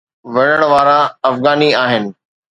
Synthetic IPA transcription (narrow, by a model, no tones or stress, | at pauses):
ʋɐɽəɽ̃ʋaːɾaɐfɣaːniaːɦɪnɪ̆